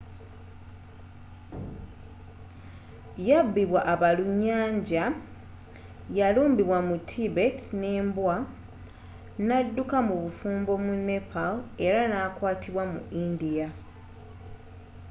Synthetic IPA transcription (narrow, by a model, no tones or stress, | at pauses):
jabːiβwaʔːβaluɲːaːɲɟa | jaluːmbiβwamutʰːibe̞tneːmbwa | nadːukamuβufuːmbo̞mune̞pʰale̞ɾanaːkwaːtiβwamṵindija